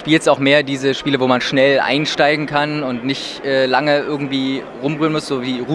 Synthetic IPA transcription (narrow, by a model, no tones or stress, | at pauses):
ʃpiːlstaʊxmeːɐdiːzəʃpiːləvoːmanʃnɛlʔa̰ɪnʃtaɪɡŋ̩kʰanʊntnɪçtʔɛːlaŋəʔɪɐɡŋ̩tv̥iː | ʁʊmʁyːənmʊsz̥oːviːʁu